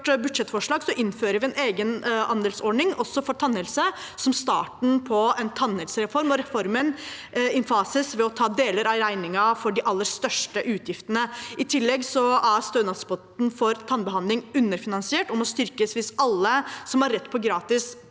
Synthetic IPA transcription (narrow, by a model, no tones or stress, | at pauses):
ʈbʉd̪ʂɛt̪ːfɔʂɭɑːɡsɔʔɪnːføːɾəʋɪɛneːɡənɑnd̪ɛːlsɔɖɳɪŋɔsːɔfɔʈ̪ʰɑnːəlsəsɔmst̪ɑ̰ːʈɳ̩pʰɔɛnt̪ʰɑnɛlsəɾɛfɔɾmɔɾɛfɔɾmənɪnfɑːsɪsʋɛɔt̪ʰɑːd̪eːləɾɑɾæɪnɪŋɑfɔɖɪʔɑlːəɾst̪œʂʈəʔʉːt̪ʰjɪft̪ənəʔɪt̪ʰɪlːɛɡsɔæɾst̪øːnɑspɔt̪n̩fɔɾt̪ʰɑnbəhɑnɪŋʉnːəɾfɪnɑnsɪeːʈɔmɔst̪ʏɾkəsʋɪsɑlːəsɔmhɑɾːɛt̪ːpʰɔɡɾɑːt̪ɪs